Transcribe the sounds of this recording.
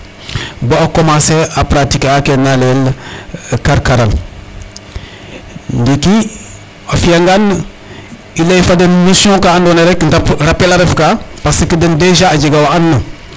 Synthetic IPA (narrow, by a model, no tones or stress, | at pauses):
boakomaseapɾatikakenalel | kaɾkaɾal | ndiki | afijaŋɡan | ilaifadənnusõkaːndoneɾekndapɾapelaɾefkapasikidəndeʒaːd͡ʒeɡawanːə